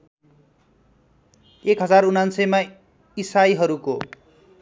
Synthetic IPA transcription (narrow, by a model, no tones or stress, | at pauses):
ekɦʌd͡zarunansʌjma | isajɦʌɾuko